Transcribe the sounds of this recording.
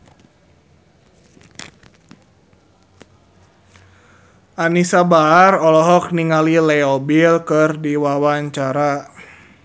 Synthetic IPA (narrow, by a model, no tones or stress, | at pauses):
ʔanisabaːrɔlɔɦɔk̚niŋalilɛɔbilkɨrdiwawaɲt͡ʃaɾa